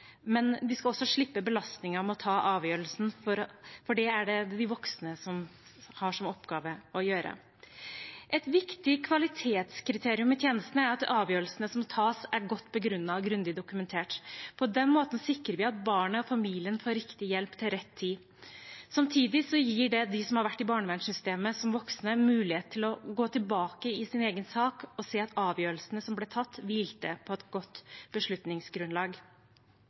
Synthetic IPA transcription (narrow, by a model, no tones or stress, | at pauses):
mɛnd̪ɪskɑɔsːɔʂɭɪpːəbəlɑst̪nɪŋəɾmɔt̪ʰɑːʔɑːʋjøːɾəlsn̩fɔɾfɔɖɛæɖɛd̪d̪ɪʋɔksnəsɔm | hɑʂɔmɔpɡɑːʋəɔjøːɾə̰ | ʔɛt̪ʋɪkt̪ɪkʰʋɑlɪt̪ʰeːt̪skɾɪt̪ʰeːɾɪʉmɪt̪ʰjeːnəst̪nəæɾɑt̪ɑːʋjøːɾəlsənəsɔmt̪ʰɑːsæɾɡɔt̪ːbɔɡɾʉnːɑɡɾʉnd̪ɪd̪ʊkʉmɛnt̪ʰeːʈpʰɔd̪ɛnmoːt̪n̩sɪkɾəɾʋɪɑt̪̚bɑːɳəɔfɑmiːlɪənfoːɾɪkt̪ɪjɛlpt̪ʰɪlɾɛt̪ʰːiː | sɑmt̪ʰiːd̪ɪsɔjiːɖɛd̪ɪsɔmhɑɾʋæʈːɪbɑːɳəʋɛnsʏst̪eːməsɔmʋɔksnəmʉːlɪheːt̪̚t̪ʰːɪlɔɡoːt̪ʰɪlbɑːkəɪsɪneːɡənsɑːkɔseːɑt̪ɑːʋjøːɾəlsn̩əsɔmblɛt̪ʰɑt̪ːʋɪlt̪ə̰pʰɔɛt̪ɡ̥ɔt̪ːb̥əʂɭʉt̪nɪŋsɡɾʉnlɑːɡ